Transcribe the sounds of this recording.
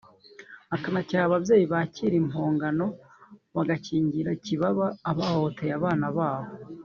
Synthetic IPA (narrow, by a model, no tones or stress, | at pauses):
akanacaβavje̞ːjiβaciɾimoːŋɡano̞ | βaɡaciːɲɟiɾaciβaβaːβahohtʰejaβaːnaβaːho